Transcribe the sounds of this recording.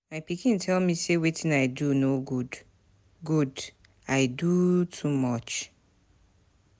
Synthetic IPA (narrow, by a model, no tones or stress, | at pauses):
maɪpikĩn̩tʰɛlmisewetʰĩnaɪdunoɡud | ɡud | aɪdutʰumɔt͡ʃ